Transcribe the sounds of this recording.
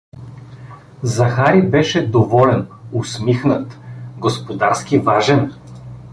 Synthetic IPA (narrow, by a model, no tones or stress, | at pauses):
zɐxaɾibɛʃɛd̪ovɔlɛnʊsmixnət̪ɡospod̪aɾskivaʒɛn